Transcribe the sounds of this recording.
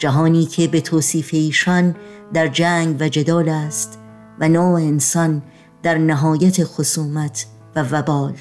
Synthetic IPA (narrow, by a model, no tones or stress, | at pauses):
d͡ʒæɦɒːniːkʰe̞be̞t̪ʰoːsiːfe̞iːʃɒnd̪æɾd͡ʒæːŋɡvæd͡ʒe̞d̪ɒːlæːst̪ | vænɒːensɒn | d̪̥æɾnæɦɒːjæt̪ʰe̞xosuːmæt̪ʰ | vævæbɒːl